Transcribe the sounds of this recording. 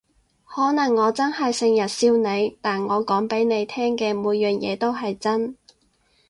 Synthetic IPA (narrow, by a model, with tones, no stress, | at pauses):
hɔː˨˥nɐ˨˩ŋːɔː˨˧t͡sɐ˥nhɐ˨jsɪ˧ŋjɐ˨˩t̚siː˧wne˨˧jt̪aː˨nŋɔː˨˧kɔː˨˥ŋpe˨˥jne˨˧jt̪ʰɛː˥ŋkɛː˧muː˨˧jːœː˨njɛ̰ː˨˧t̪o˥wɦɐ˨jt͡sɐ˥n